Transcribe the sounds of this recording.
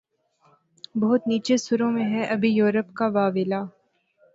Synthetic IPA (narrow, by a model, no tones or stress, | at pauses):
bɐɦʊt̪niːt͡ʃesʊɾõmẽɦɛʔɐbʱijoːɾəpkaʋaːʋɪlaː